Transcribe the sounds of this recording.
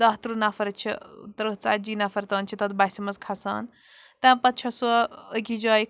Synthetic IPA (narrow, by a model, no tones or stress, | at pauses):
d̪aɦt̪ɾunafɐɾɐt͡ʃʰit̪ɐɾət͡sa̰ːd͡ʒiːnafɐɾt̪ɐːnt͡ʃʰit̪ɐt̪basimɐzkʰasa̰ːn | t̪ãːpɐt̪̚t͡ʃʰɐsɐəkʲid͡ʒaːj